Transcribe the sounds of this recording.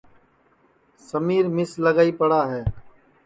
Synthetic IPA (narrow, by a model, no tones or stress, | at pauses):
səmiːɾmɪsləɡaːiːpəɽaːɦɛː